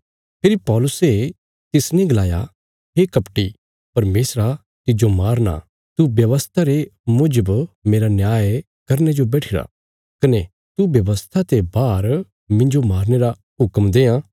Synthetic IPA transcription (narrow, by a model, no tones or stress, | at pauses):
pʰɪɾipɔːlʊse | t̪ɪsnẽɡlaːja̰ | ɦekɐpʈi | pɐɾmeːsɾa | t̪ɪd͡ʒomaːɾna̰ | t̪ubjɐʋəst̪ʰaɾemʊd͡ʒəbmeːɾanjaːj | kɐɾned͡ʒobɛːʈʰɪɾa̰ | kɐne | t̪ubjɐʋəst̪ʰat̪ebaːɾ | mɪ̃nd͡ʒomaːɾneɾa | ɦʊkmd̪eːãː